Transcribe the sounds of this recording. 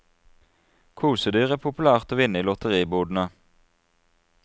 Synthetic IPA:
kʰuːsəd̪yːʁæːpʰʊpʉlæːʁt̪oːʋɪnəiːlɔt̪əʁiːbuːd̪n̩ə

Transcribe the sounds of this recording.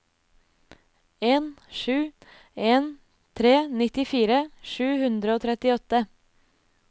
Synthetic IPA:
eːnʃʉː | eːn | t̪ʰɾeːnɪt̪ɪfiːɾəʃʉːhʉnd̪ɾəoːt̪ʰɾɛt̪ɪɔt̪ə

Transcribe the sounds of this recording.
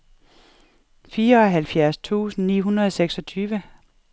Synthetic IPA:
fiːɐɒ̽ɦælfjæɐst͡sʰṵːsn̩niːɦunʁɐðˠseɡ̥sɒ̽t͡sʰyːʋə

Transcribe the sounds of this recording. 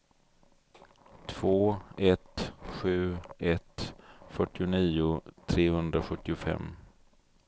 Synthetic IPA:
t̪ʰv̥oːɛt̪ɧʉ̟ːɛt̪fœʈːɪʊniːʊt̪ʰɾeːhɵnd̪ɾaɧɵt̪ːɪʊfɛ̰mː

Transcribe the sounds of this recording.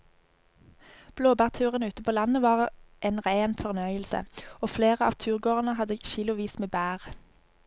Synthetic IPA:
b̥loːbæːʁt̪ʰʉːʁənəʉːt̪əpʰoːlɑnəʋɑːʁʔeːnʁeɪnfɔʁnœʏəlsə̰oːfleːʁəɑ̰ːʋt̪ʰʉːʁɡoːʁənəhɑd̪əʃɪlʊʋiːsmeːbæːʁ

